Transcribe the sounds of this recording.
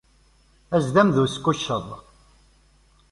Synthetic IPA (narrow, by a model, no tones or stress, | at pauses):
æzðæmðuskːuʃːəðˤ